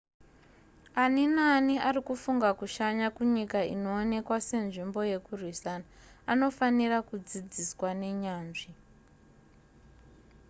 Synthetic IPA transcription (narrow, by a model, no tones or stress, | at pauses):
aninaniarikufuŋɡakuʃaɲakuɲikaḭno̞ːne̞kwase̞nʐimbo̞je̞kurwisanaːno̞fanirakud͡zid͡ziswane̞ɲaːnʐi